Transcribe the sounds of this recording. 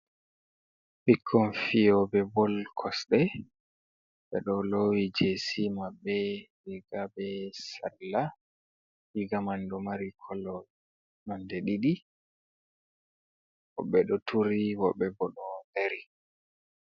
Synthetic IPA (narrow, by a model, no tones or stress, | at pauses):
ɓikʰːɔnfijɔbɛbɔlkʰɔsɗɛ | ɓɛ̰ɗɔlowid͡ʒesimabːɛliɡabɛsalːa | liɡamandɔmaɾikʰɔlɔ | nandɛɗiɗi | wɔ̰ɓːɛɗɔtʰuɾiwɔ̰ɓːɛbɔɗɔneɾi